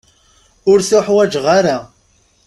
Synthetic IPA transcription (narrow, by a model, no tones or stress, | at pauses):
ʊɾθʊħwæd͡ʒʁaɾa